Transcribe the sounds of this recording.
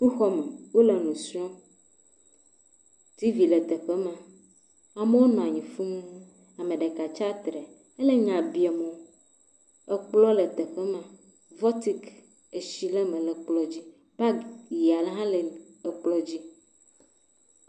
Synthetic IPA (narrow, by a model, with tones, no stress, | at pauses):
tu˦xɔ˦mẽ˨wo˦le˨nũ˨su˦ɔ˦ | t̪i˦vi˨le˨t̪ɛ˨ɸe˦mã˨ | a˨me˦wo˦nɔ̃˨a˨ɲĩ˨fu˦mũ˦ | a˨mẽ˨ɖe˨ka˨t͡ʃa˦t̪ɾɛ˨ | e˦le˦ɲã˨bi˨ɛ˨mɔ̃˨ | ɛ˦k͡plɔ˦le˨t̪e˨ɸɛ˦mã˨ | vɔ˦t̪i˦k | e˨ʃi˦le˦mẽ˨le˨k͡plɔ˨˦d͡ʑi˦ | b̥a˦ji˨a˨lɛ˨ɦã˦le˨e˨k͡plɔ˦d͡ʑi˦